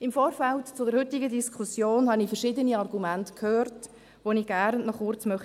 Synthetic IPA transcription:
ɪmfoːɾfæltt͡sʊdɛɾhʏtɪɡədiskχusjoːnhɑnifəɾʃɪdəniɑrɡumæntkʰhøːɾt | ʋoniɡ̥æɾnnɔχʊrt͡smœχ

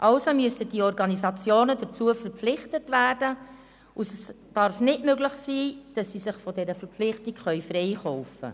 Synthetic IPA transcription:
ʔɑlsomyəsəd̥iɔɾɡɑnisɑt͡sjoːnədət͡suəfəɾflɪχtətvæːrdə | ʊsɛs | d̥ɑɾfnɪtmøɡlɪχsiːd̥ɑsːiːsɪχfɔdɛɾəfəɾpflɪχtɪkχœʏfɾɛɪχɔʊfə̰

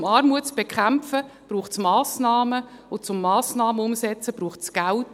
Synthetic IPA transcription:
mɑːɾmuətt͡sb̥ekχæmfəb̥ɾuːχtsmɑːsnɑːmə | ʊt͡sʊmːɑːsnɑːməʊmsɛt͡səb̥ɾuːχtsɡ̥ælt

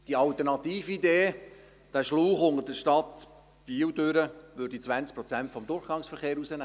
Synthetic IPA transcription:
d̥iɑlt̪ərnɑt̪iːfideː | d̥æʃluːχʊndədəʃtɑt̪ | b̥iːwdøɾəʋøːɾd̥it͡sʋænt͡sk̚pɾɔt͡sæntfɔmdʊrχɡ̥ɑŋsfəɾχeːɾusənæː

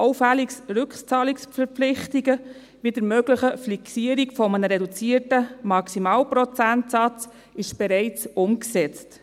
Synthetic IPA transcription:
ʔɔʊfæliksɾʉkχt͡sɑːliksfəɾpflɪχtiɡə | ʋid̥əɾmøɡləχəfliksiəɾikfɔmənəɾɛdut͡siərtəmɑksimɑːlpɾɔt͡sæntsɑt͡s | ɪʃb̥ɛɾɛɪt͡sʊmksɛt͡st

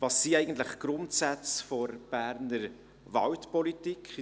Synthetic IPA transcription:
vɑːsːiɛɪɡ̥ən̩t̪ləχɡ̥ɾʊntsæt͡sfɔɾb̥æɾnəɾ | ʋɑ̰wtpɔlitikχ

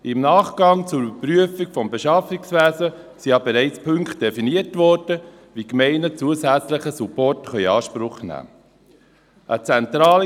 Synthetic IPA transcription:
ʔɪmnɑːχɡ̥ɑŋt͡sʊbəpɾyəfikfɔmbeʃɑfɪksʋæːzə | sijɑbeɾɛɪt͡spʰɵŋkt̚d̥efiniəɾtʋɔɾd̥ə | ʋikmɛɪnət͡suəsæt͡sləχəsupɔrtχœʏɑːʃpɾʊχnæ̰ː | ʔət͡sɛnt̪ɾɑːl

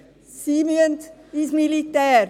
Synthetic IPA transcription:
siːmyənt̪ismilit̪ɛːɾ

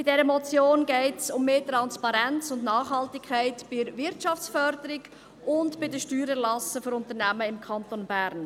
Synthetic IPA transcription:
b̥ɪdɛɾəmɔt͡sjoːnɡɛɪtsʊmːeːtɾɑnspɑɾɛnt͡sʊndnɑːχhɑltɪkʰːaɪtb̥ɪvɪɾtʃɑft͡sfœɾdəɾɪɡ | ʔʊndb̥ɪdəʃtyːɾəlɑsəføɾʊnt̪əɾnæməɪmkʰɑntonbæːɾn

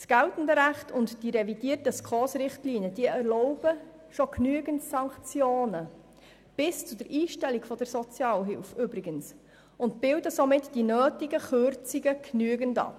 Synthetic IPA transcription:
sɡ̥æltən̩dəɾæχtʰʊntd̥iɾɛvidiətəskχɔːsɾɪχtliːniəd̥iːəʔɛɾlɔʊb̥ə | ʃɔknyəɡəntsɑŋkt͡sjoːnə | b̥ɪst͡sʊdəɾʔiːʃtɛliɡfɔd̥əɾsɔt͡sjɑːlɦɪlfʏbɾɪɡəns | ʊntb̥ɪldəsomɪtd̥inøːtiɡəχørt͡siɡəknyəɡəndɑ̰p

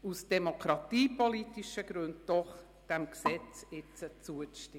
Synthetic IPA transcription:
usd̥ɛmokʰɾɑtiːpolitiʃəɡ̥ɾʉndd̥ɔχ | d̥ɛmksɛt͡sɪt͡sət͡suəʃtɪ

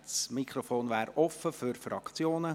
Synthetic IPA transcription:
smikχɾɔfoːnʋæːɾɔfəfyɾfɾɑ̰kt͡sjoːnə

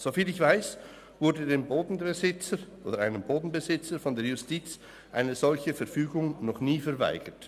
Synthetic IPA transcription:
z̥ofiːlɪçv̥aɪs | vʊɾdədeːmboːdn̩bəzɪt͡səʔoːdəaɪnəmboːdn̩bəzɪt͡səɾfɔndeːɾjʊstiːt͡s | ʔaɪnəzɔlçəfɛɾfyːɡʊŋnɔχniːfɛʁva̰ɪɡ̥ət

